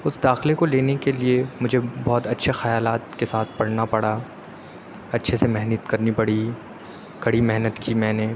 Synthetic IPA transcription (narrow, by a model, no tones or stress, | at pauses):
ʊsd̪aːxlekoleːnekeliemʊd͡ʒʱebɔːt̪ɐtːʃʰexɐjaːlaːt̪kesaːt̪̚ʰpɐɽnapɐɽa | ɐtːʃʰesemɛɦnut̪kɐɾnipɐɽ̤i | kɐɽimɛɦnət̪kimɛ̃ːne